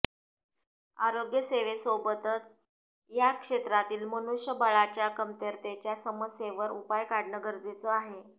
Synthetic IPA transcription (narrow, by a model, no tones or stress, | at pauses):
aɾoɡjəseʋesobət̪ət͡s | jakʂet̪ɾat̪iːlmənuʂjəbəɭat͡ɕjakəmt̪əɾt̪et͡ɕjasəməsjeʋəɾupajkaɽnəɡəɾd͡zet͡səaɦe